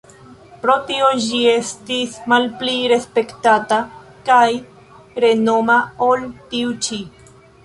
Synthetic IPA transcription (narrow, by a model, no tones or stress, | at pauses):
pɾo̞tiod͡ʒie̞stismalpliɾe̞spe̞ktatakaj | ɾe̞no̞maoltiut͡ʃi